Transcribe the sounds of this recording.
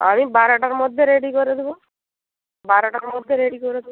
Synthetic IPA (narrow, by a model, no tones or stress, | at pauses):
a̰mibaɾaʈaɾmɔd̪ʱːjeɾeɽikɔɾet̪ʋo | baɾaʈaɾmɔd̪ʱːjeɾeɽikɔɾet̪